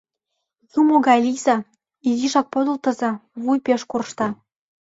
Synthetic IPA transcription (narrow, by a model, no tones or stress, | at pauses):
jumoɡɑlʲizɑ | iziʃɑk̚pod̪ə̆lt̪ɤ̆zɤ̆βujpeʃkurʃt̪ɑ